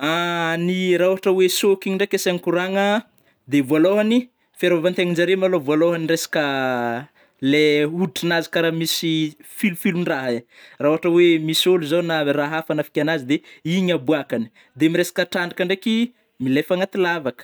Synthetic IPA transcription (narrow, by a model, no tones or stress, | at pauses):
aniɾaɦuɦaʈ͡ʂəwesokiiɳɖ͡ʐekʲasaŋkuɾaŋə | d̪evualoɦani | feɾavant̪eŋind͡ʒaɾemalovualoɦaniresḁkə | leuiʈ͡ʂinazi̥kaɾamisifilufiluɳraɦerauɦaʈ͡ʂəwemisoluzanaraɦafanafi̥kʲanazid̪eiɲabuakani̥ | d̪emiɾesḁkəʈ͡ʂaɳɖ͡ʐikaɳɖ͡ʐeki | milefaŋat̪ilavakə̥